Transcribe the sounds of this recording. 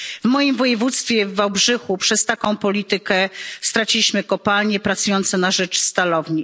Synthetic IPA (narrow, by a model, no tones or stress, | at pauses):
vmɔjimvɔjɛvut̪st̪fʲjɛvːawbʐɘxupʂɛst̪akɔ̃w̃pɔlʲit̪ɘkɛst̪ɾat͡ɕilʲiɕmɘkɔpalɲɛpɾat̪sujɔnt̪sɛnaʐɛt͡ʂst̪alɔvɲi